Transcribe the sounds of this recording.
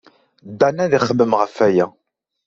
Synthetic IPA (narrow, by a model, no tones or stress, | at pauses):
d̪ːænæðiχəbːəmʁəfæjæ